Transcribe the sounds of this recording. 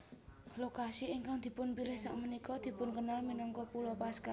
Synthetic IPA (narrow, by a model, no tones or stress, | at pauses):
lokasiiŋkaŋd̪̥i̤pʊnpilɪhsa̰ʔmənikɔd̪̥i̤pʊnkənalminɔŋkɔpulɔpaska